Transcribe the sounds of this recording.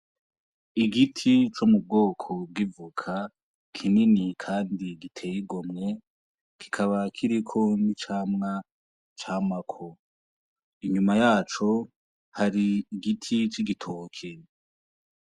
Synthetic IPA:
iɡitʰit͡ʃomub̚ɡo̞ːkʰo̞b̚ɡivukʰa | kʰininikʰaːndiɡitʰe̞ːjiɡomŋe̞ | kʰi̥kʰaβakʰiɾikʰo̞nit͡ʃaːmŋa | t͡ʃaːmakʰo | iɲumajaːt͡ʃo̞ | haɾiːɡitʰit͡ʃiɡitʰokʰe

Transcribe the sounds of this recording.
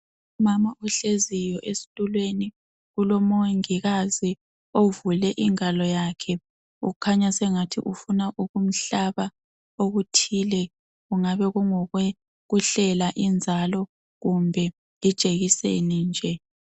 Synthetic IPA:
umamaʔɔɬezijɔʔesi̥tʼulweni | ɣulɔmoŋiɣazi | ovulɛʔiŋalɔjakʰɛ | ṵɣukʰaɲasɛŋatʰḭʔufunaʔuɣum̩ɬaβa | oɣutʰilɛ | ɣuŋaβɛɣuŋɔɣwɛ | ɣuɬɛlaʔind͡zʱalɔ | ɣumbʱɛ | lid̥ʒ̥ʱeɣisḛnind͡ʒʱɛ

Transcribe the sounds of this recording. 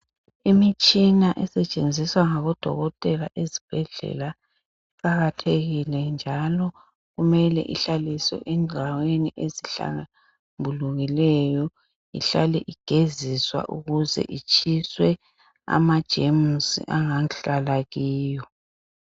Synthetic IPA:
imit͡ʃʼinaʔɛsɛt͡ʃʼend͡zʱiswaŋaβɔd̥ʱɔ̰ɣɔtʼɛlaʔezib̥ʱɛɮɛ̰la | iǃaɣatʰeɣilɛnd͡ʒʱalɔ | ɣumɛlɛ̰ʔiɬaliswɛ̰ʔɛŋʱaweniʔeziɬa̰ŋa | mbʱuluɣilɛjɔ | ḭɬalɛʔiɡ̥ʱeziswa̰ʔuɣuzɛ̰ʔit͡ʃʰʼiswɛ | a̰mad̥ʒ̥ʱemusḭʔaŋaɬalaɣiːjɔ

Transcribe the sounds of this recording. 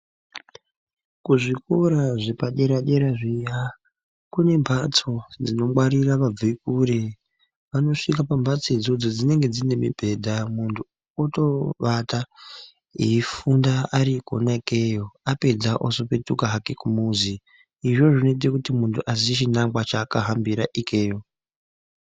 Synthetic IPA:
kuʐikoɾaʐepaɗe̞ɾaɗe̞ɾaʐija | kune̞mbʱat͡so̞d͡zino̞mwaɾiraʋaikure | ʋano̞ʂikapambʱat͡sed͡zo̞d͡zo̞d͡zine̞ŋɡe̞d͡zine̞mḭbʱe̞dʱamuntʰu | oto̞ʋata | ḭifundaaɾiko̰naikejo̞ape̞d͡zaʔosope̞tukaɦakekumuziː | ʐo̞ʐino̞it̬ekutimuntʰuʔazit͡ʃinamɡwat͡ʃakaɦambiɾaʔike̞ːjo̞

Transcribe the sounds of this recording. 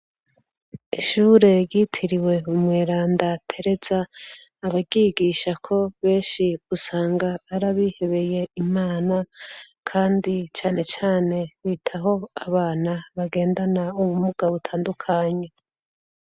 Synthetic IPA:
iʃuːɾe̞ɾɟitʰiɾiwe̞umŋweːɾaːndatʰe̞ɾe̞zaː | βaɟiɡiʃakʰo̞βe̞ːnʃiɡusaːŋɡaːɾaβihe̞βe̞je̞imaːna | kʰaːndit͡ʃaːne̞t͡ʃaːne̞βiːtʰaɦo̞aβaːnaβaɡe̞ːndanauβumuɡ̥aβutʰaːndukʰaɲe

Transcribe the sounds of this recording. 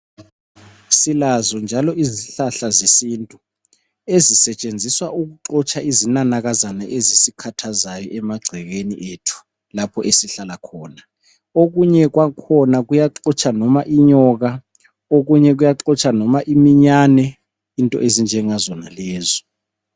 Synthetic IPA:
silazɔnd͡ʒʱalɔiziɬaɬazesintʼu | ezisɛt͡ʃʼend͡zʱiswaʔuk̬uǃɔt͡ʃʰʼaʔizinanaɣazanaʔezisikʰatʰazajɔʔɛmaɡ͡ǀʱɛɣeniʔetʰu̥ | lapʰɔʔesiɬalakʰɔːna | oɣuɲɛk̬wakʰɔnaɣujaǃɔt͡ʃʰʼanɔmaʔiɲɔɣa | oɣuɲɛk̬ujaǁɔt͡ʃʼʰanɔmaʔimiɲaːnɛ | intʼɔ̰ʔezind͡ʒʱɛŋazɔnalɛːzɔ

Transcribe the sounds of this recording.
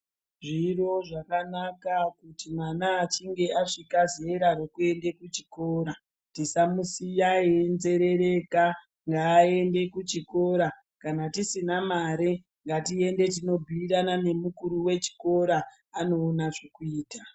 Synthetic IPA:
ʐiro̞ʐakanakakutimwanaːt͡ʃiŋɡe̞aʂikazieɾaro̞kue̞nde̞kut͡ʃiko̞ːɾa | tisamusijaenzeɾe̞ɾe̞ka | ŋɡaːende̞kut͡ʃiko̞ɾa | kanatisinamaɾe | ŋɡatie̞nde̞tino̞bʱiiɾanane̞mukuɾuwe̞t͡ʃi̥ko̞ɾa | ano̞ːnaʐokuiːta

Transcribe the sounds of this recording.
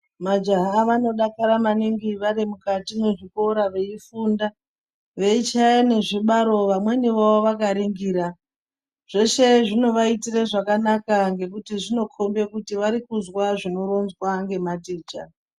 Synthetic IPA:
mad͡ʒaɦaʋano̞ɗakaɾamaniŋɡiʋaɾimukatimeʐiko̞ɾaʋe̞ifunda | ʋe̞it͡ʃajene̞ʐiɓaɾo̞ʋamwe̞niʋaoʋakaɾiŋɡiːɾa | ʐ̥e̞ʃe̞ʐino̞ʋaitireʐakanakaŋɡe̞kutiʐino̞kʰombe̞kutiʋaɾikuzwaʐino̞ɾonzwaŋɡe̞matiːt͡ʃa̰

